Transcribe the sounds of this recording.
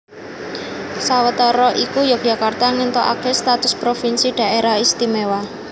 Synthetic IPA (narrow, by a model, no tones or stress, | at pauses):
sawət̪ɔɾɔʔikujob̥ja̤kart̪aŋint̪ɔʔa̰kest̪at̪ʊspɾofinsiɖ̥a̤ʔeɾaist̪imewa